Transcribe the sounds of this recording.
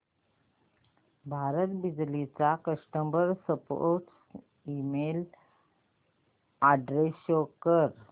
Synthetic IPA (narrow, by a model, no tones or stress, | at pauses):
bʱaɾət̪bid͡ʑlit͡sakəsʈəmbəɾsəpo̰ɾʈs | imel | aɖɾesjokəɾ